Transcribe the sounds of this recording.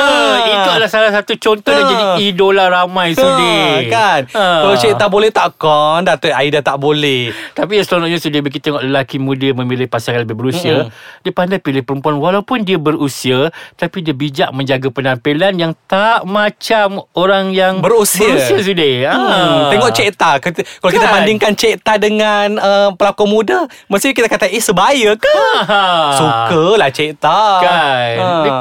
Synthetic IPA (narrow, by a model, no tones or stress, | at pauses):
əit̪ualasalasat̪ut͡ʃɔnt̪ɔd͡ʒadiːdolaɾamãjsudɪkanəbəusiat̪aʔbolɛht̪aʔkɔndat̪əaidat̪aʔbolɛht̪apijasəlolɔɲasudahbəɡit̪eŋɔʔləlakimũdəmə̃milɪhpasaŋanləbɪɦbəɾusiadiapandajpilɪhpəɾəmpuanwalawpʊndiabəɾusiat̪apidiəbid͡ʒaʔ̚mə̃ɲd͡ʒaɡapənampilanjaŋt̪aʔmat͡ʃamoɾaŋjaŋbəɾusiusiasudɪaeŋɔʔt͡ʃeʔt̪ak̪kalakit̪abandɪŋkant͡ʃeʔt̪adəŋanəpəlakɔmuda | məst̪ik̬it̪akat̪aʔisəbajəka | sukəlaht͡ʃeʔt̪aɡa